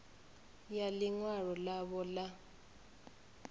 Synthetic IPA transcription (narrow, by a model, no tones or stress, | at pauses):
jaliŋwaɺɔlaβɔla